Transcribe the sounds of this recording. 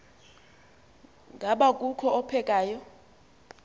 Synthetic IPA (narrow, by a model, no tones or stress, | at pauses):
ŋɡʱaɓakʼukʰɔɔpʰɛkʼaːjɔ